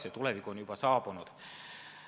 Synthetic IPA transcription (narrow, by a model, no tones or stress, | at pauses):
set̪ulevikːonjub̥ɑsɑːbunud̪̥